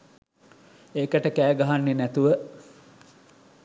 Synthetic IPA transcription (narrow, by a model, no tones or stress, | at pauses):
eːkəʈəkæːɡaɦanːenæt̪uʋə